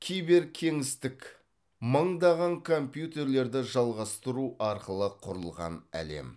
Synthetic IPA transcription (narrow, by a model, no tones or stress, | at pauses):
kʲʰijbe̞ɾkʲʰe̞ŋɪst̪ɪk | məɴd̪ɑʁɑŋkʰo̞mpjut̪e̞ɾle̞ɾd̪ɪʒɑlˠʁɑst̪əɾuɑɾqəlˠəqʰʊɾəlˠʁɑ̰næ̰le̞̰m